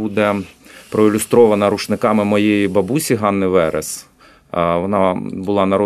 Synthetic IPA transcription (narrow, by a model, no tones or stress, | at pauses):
ud̪ɛpɾɔɪlʲʊst̪ɾɔʋɐnɐɾuʃnɪkɑmɪmɔjejibɐbusʲiɦɑnːɪʋɛɾḛs | ʋɔnɑbʊlˠɑnɐɾɔ